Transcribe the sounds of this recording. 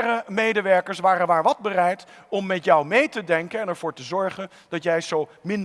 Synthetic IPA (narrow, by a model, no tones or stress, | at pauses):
rəmejdəʋɛɹkəɹsʋaːrənʋaːɹʋɑd̚bərɛjt | ɔmːɛtjɔwmejtədɛŋkənɛnɛɹv̥ʊːɹtəzɔɹχən | d̥ɑtjɛjzowmɪn